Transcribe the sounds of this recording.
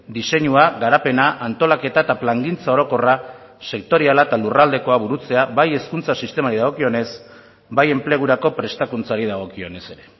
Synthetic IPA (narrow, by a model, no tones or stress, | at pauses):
d̪ise̞ɲuaɣaɾape̞naʔant̪o̞lake̞t̪at̪aplaŋɡint͡sao̞ɾo̞ko̞ra | se̞kt̪o̞ɾialaet̪alurald̪e̞ko̞aβuɾut͡se̞aβaje̞skunt͡sasist̪e̞maɾiðaɣ̞o̞kio̞ne̞z | baje̞mple̞ɣ̞uɾako̞pɾe̞st̪akunt͡saɾiðaɣ̞o̞kio̞ne̞se̞ɾe̞